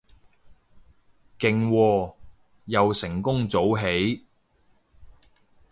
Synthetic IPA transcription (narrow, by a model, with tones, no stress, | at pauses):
kɪ˨ŋwɔː˧ | jɐ˨wsɪ˨˩ŋkʊ˥ŋt͡so˨˥wɦe˨˥j